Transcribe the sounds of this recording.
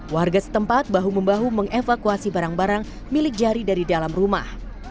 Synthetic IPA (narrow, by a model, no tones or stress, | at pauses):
warɡasə̥t̪əmpat̪̚baɦuməmbaɦuməŋefakuasibaɾaŋbaɾaŋ | milɪk̚d͡ʒaɾidaɾidalamruma̰h